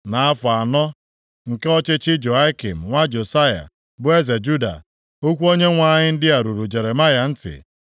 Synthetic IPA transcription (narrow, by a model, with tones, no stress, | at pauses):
na˨a˦fʊ˨a˨nɔ˦ | ŋ̩˨ke˦ɔ˦t͡ʃɪ˦t͡ʃɪ˦d͡ʒo˨a˦ki˨m̩˨ŋʷa˦d͡ʒo˨sa˦ja̰˨ | bʊ˦e˦ze˨d͡ʒu˦da̰˨ | o˦kʷu˦o˦ɲe˦ŋʷa˦ɲɪ˦n̩˦dɪ˦a˨ɾu˨ɾu˨d͡ʒe˨ɾe˨ma˦ja˨n̩˦tɪ̰˨